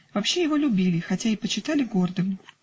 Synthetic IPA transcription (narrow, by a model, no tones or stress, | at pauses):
vɐpɕːe̞jɪvo̞lʲʊbʲilʲɪxɐtʲaɪpət͡ɕɪt̪alʲɪɡord̪ɨm